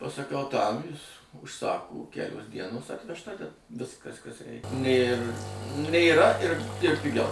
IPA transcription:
pɐsɐˈkɐʊ tɐm jɪs ʊʃˈsɑːkʊ ˈkʲæːlʲoːs ˈdʲiɛnoːs ɐtʲʋʲɛʃˈtɐ tʲɛn ˈʋʲɪskɐs kɐs ˈrʲɛɪk nʲeːr nʲeːˈrɐ ɪr ɪr pʲɪˈɡʲɛʊ

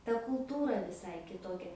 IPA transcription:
tɐ kʊlˠˈtuːrɐ ʋʲɪˈsɐɪ kʲɪˈtoːkʲɛ

